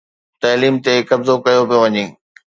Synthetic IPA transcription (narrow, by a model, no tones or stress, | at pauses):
t̪ɐːliːmt̪ekɐbzokɐjopijoʋɐɲĩː